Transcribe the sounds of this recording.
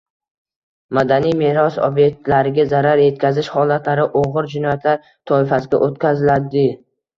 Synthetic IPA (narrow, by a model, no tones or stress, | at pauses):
mad̪anijmeɾɒso̰bje̞k̚t̪laɾɪɡʲazaɾaɾje̞t̪̚kʲʰazɪʃhɒlat̪ʰlaɾɪʔoʁɨɾd͡ʒɪnɒjat̪ʰlaɾ | t̪ʰɒɪfasɪɡʲa̰ʔot̪kʲʰazɪlaɾd̪ɪ